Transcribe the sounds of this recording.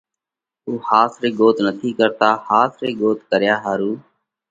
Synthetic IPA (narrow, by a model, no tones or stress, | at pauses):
ɦuːhaːsɾeːɡoːt̪nət̪ʰiːkəɾt̪aːhaːsɾeːɡoːt̪kəɾjaːɦaːɾuː